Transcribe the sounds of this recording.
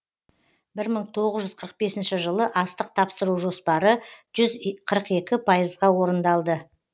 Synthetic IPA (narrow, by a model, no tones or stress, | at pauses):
bɪɾməɴt̪ʰo̞ʁəzʒʏzqʰəɾəq̚be̞sɪnʃɪʒəlˠəʔɑst̪əq̚t̪ʰɑpsəɾuʒo̞spɑɾəʒ̥ʏzqʰəɾəqe̞kʲɪpʰɑjəzʁɑwo̞ɾənd̪ɑlˠd̪ə